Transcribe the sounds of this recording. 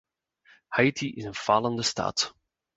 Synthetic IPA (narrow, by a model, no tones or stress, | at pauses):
hajtʰiʔɪzənfaləndəsta̰ːt